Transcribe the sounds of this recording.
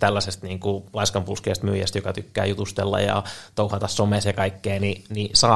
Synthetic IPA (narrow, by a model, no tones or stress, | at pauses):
t̪ælːæsest̪niːŋkulɑiskɑmpulskḛːst̪myːjæ̰st̪jokɑt̪ykːæ̰ːjut̪ust̪elːɑ̰jɑ̰t̪ouhɑt̪ɑssomesjɑkɑikːeːninisɑː